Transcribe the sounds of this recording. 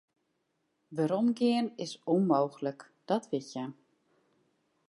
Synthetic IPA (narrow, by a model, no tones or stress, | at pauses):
ʋəɾɔmɡɪənɪsonmowɣələk | d̥ɔtʋɪtja